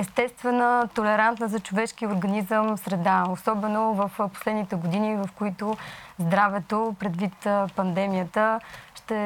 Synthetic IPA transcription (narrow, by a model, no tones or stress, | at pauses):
ɛst̪ɛst̪vɛnət̪olɛɾant̪nəzɐt͡ʃovɛʃkiʊɾɡɐnizəmsɾɛd̪aosɔbɛnovɐfpo̥slɛd̪nit̪ɛɡod̪inivɐfkoit̪ozd̪ɾavɛt̪opɾɛd̪vit̪pɐnd̪ɛmijət̪əʃt̪ɛ